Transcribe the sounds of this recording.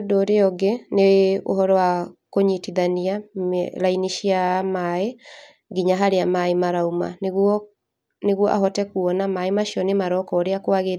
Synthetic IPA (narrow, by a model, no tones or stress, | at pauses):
doɾeɔɡeneo̰ɦɔɾɔwakoɲitiðanialainiʃiamae | ɡiɲaɦaɾeamaemaɾauma̰nɣɔ | neɣwɔʔa̰ɦɔtɛkuɔnamaemaʃiɔnemaɾɔkɔːɾeakwaɣeɾ